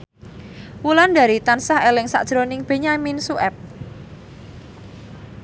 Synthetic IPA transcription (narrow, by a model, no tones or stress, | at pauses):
wulanda̤ɾit̪ansahelɪŋsa̰ʔd̥ʒ̥ɾonɪŋb̥e̤ɲaminsuʔɛp̚